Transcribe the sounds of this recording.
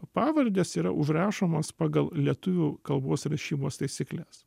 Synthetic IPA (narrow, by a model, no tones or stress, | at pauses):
pɑːʋɐɾʲd̪ʲeːsiːɾɐ̰ʔʊʒɾɑːʃoːmospɑːɡɐlˠlʲiɛt̪ʊʋʲuːkɐlˠboːsɾɐʃʲiːmoːst̪ɐɪsʲɪklʲɛs